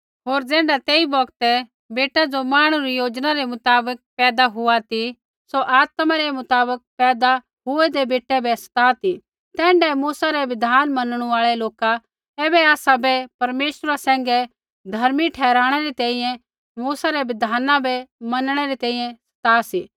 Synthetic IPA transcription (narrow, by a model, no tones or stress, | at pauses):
ɦoːɾd͡zɛːɳɖat̪eːibɔɡt̪ɛ | beːʈad͡ʒomaːɽ̃uɾijoːd͡ʒnaɾɛmʊt̪aːbək̚pɛːd̪aɦʊat̪i | soʔaːt̪mãɾɛmʊt̪aːbək̚pɛːd̪a | ɦʊɛd̪ebeːʈːɛbɛsɐ̥t̪aːt̪i | t̪ɛ̃ːɳɖɛmuːsaɾɛʋɪd̪ʱaːnmɐnɽ̃uaːɭɛloːka | ɛːbɛaːsabɛpɐɾmeːʃɾasɛ̃ːŋɡɛ | d̪ʱɐɾmiʈʰɛːɾaːɽ̃ɛɾit̪ɛ̃ĩjɛ̃ | muːsaɾɛʋɪd̪ʱaːnãbɛmɐnɽ̃ɛɾit̪ɛ̃ːĩjɛ̃sɐ̥t̪aːsi